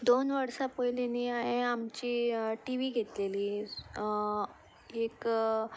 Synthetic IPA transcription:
d̪onʋəɽsapojleniːaɦeamt͡ɕiːʈiʋiːɡʱet̪leliː | ek

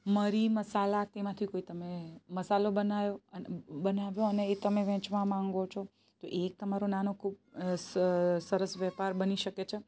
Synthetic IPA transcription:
məɾiməsalat̪emãt̪ʰikoit̪əmeməsalobənajonbənaʋjoəneːt̪əmeʋɛ̃t͡ʃmãmãŋɡot͡ʃʰo | t̪oʔek̚t̪əmaɾonanokʰub | səɾəsʋɛpaɾbəniʃəket͡ʃʰe

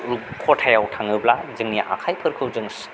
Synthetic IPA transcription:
ɾukʰɔtʰajawtʰaŋɯblazɯŋniʔa̰kʰajpʰɯɾkʰɯwzɯŋs

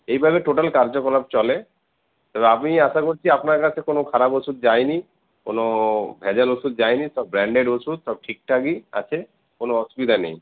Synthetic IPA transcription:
ejbʱabeʈoʈalkaɾd͡ʑokɔlab̚t͡ɕɔle | t̪ɔbeapmiaʃakoɾt͡ɕʰiapnaɾkat͡ɕʰekonokʰaɾabosud̪̚d͡ʑajni | konobʱɛd͡ʑalosud̪̚d͡ʑajniʃɔbːɾɛɳɖeɖosud̪ʃɔb̚ʈʰik̚ʈʰakia̰t͡ɕʰe | konoɔsubid̪ʱanḛj

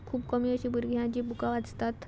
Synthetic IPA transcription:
kʰuːbkəmiːəɕibuɾɡʱjãt͡ɕibukaʋad͡zt̪at̪

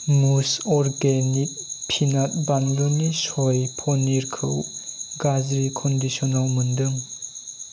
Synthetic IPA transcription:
musɔɾɡenik̚pʰinat̚banlunisɔjpʰɔniɾkʰɯwɡazɾikʰɔndisɔnalmundɯŋ

